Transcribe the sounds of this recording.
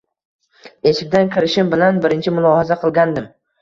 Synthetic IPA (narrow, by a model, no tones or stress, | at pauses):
e̞ʃɪkʲd̪ankʲɪɾɪʃɪmbɪlanbɪɾɪnt͡ʃʰɪmʊlˠɒhazaqʰɨlˠɡʲand̪ɪm